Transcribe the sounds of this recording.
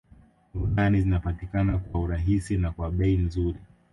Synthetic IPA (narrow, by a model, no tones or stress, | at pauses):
ɾukanizinapatikanakwauɾaɦisinakwaɓɛin̩zuɾi